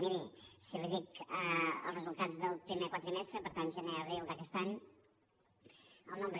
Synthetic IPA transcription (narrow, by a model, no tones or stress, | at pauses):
miɾisiliðikəə̰lˠzrəzulˠt̪ad͡zðəlˠpɾimekwat̪ɾəmɛst̪ɾəpəɾt̪anʒəneəβɾilˠd̪əkɛst̪aɲ | əlˠnombɾə